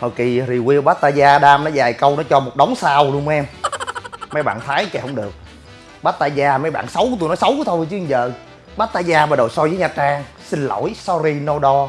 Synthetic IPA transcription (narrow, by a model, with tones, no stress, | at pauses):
ho˨˩jki˨˩ɾi˨˩wi˧əɓaː˦˥t̚t̪aː˧zaː˧ɗaː˧mnɔ˨˦zaː˨˩jkə˧wnɔ˨˦t͡ɕɔ˧mo˨˩t̚ɗə˨˦wŋ͡msaː˧wlu˧əŋm˧ʔɛ˧m | ma˨˦jɓa̰ː˧˨nt̪ʰaː˨˦jkɛ˧˩hə˧wŋ͡mɗɨ˨˩ək̚ | ɓaː˦˥t̚t̪aː˧zaː˧ma˨˦jɓa̰ː˧˨nsə˨˦wkːt̪u˧jnɔ˨˦jsə˨˦wkːt̪ʰo˧jt͡ɕɨ˨˦i˧ŋzə̰ː˧˨ | ɓaː˦˥t̚t̪aː˧jzaː˧ɓaː˧˩ɗo˨˩jsɔ˧jzəː˨˦jɲaː˨˩t͡ɕaː˧˩ŋ | sï˧n̟lo̰˧˩˨jsɔ˧ɾi˧no˧ɗɔ˧